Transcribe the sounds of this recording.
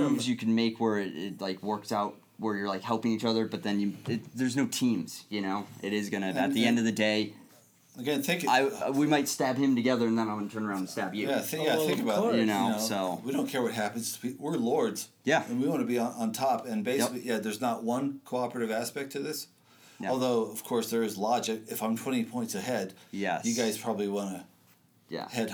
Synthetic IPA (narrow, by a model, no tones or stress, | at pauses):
ũmzjɨkʰɨ̃n̩meɪkʰwə˞ɪɾɪ̰t̚laɪkwɜ˞ksaʊt̚ | wə˞jə˞laɪkhɛlˠpɪ̃ŋit͡ʃʌðə˞bʌt̪̚ðɨ̃njɨɪtðə˞znoʊtʰĩmz̥jɨñoʊʔɪɾɪzɡʌñɨɨt̪̚ðiɛ̃ndʌvðɨdeɪ | əɡɛ̃nθɪ̃ŋkaɪwimaɪtstæbɨ̃mtɨɡɛðə˞ɨ̃nðə̃nãɪmwɑnətʰɜ̃˞nə˞ãʊ̃ndn̩stæbjɨæɪ̃jæθɪ̃kəbajɨnoʊsoʊwiɾõʊ̃nkʰɛɹwʌt̚ɦæpɨ̃nz̥wiwɪɹlɔɹdz̥ | jæɨ̃nwiwɑ̃nɨbiə̃nə̃ntʰɑpɨ̃nbeɪsɪklijæðə˞znəʔ̚wʌ̃nkʰoʊɑpɹɨɾɨvæspɛk̚tʰʌvðɪs | ɔlˠðoʊʌv̥kʰɔɹsðə˞ɨzlɑd͡ʒɪkɨfãɪ̃mtʰw̥ɛ̃ɾ̃ipʰɔ̃ɪ̃ntsɨhɛdjɛ̰jɨɡaɪz̥pʰɹ̥ɑbəbliwɑ̃nɨ | jæ̰hɛd̚